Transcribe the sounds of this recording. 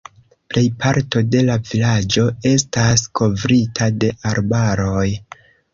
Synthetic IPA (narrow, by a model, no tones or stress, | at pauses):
ple̞jpʰaɾto̞de̞lavilad͡ʒo̞e̞staskʰo̞vɾitʰade̞ʔaɾbaɾo̞j